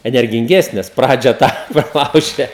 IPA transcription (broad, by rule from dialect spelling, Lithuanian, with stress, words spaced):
ɛnʲɛrʲɡʲɪŋʲˈɡʲæːsʲnʲeːs ˈprɑːd͡ʒʲɛ ˈtɑː prɐˈlˠɐʊʒʲɛ